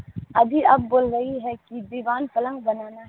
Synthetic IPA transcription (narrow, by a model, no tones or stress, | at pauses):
ɐbʱiɐb̚ːoːlɾɐɦiɦɛkid̪iːʋaːnpɐlə̃ŋɡ̚bɐnaːnaɦ